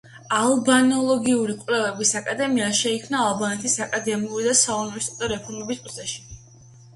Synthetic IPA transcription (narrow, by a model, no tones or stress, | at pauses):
alˠbanɔlˠɔɡiuɾikʼvlɛvɛbisakʼad̪ɛmiaʃɛikʰmnaːlˠbanɛt̪ʰisakʼad̪ɛmiuɾid̪asaunivɛɾst̪ʼɛt̪ʼɔɾɛpʰɔɾmɛbispʼɾt̪sʰɛʃi̥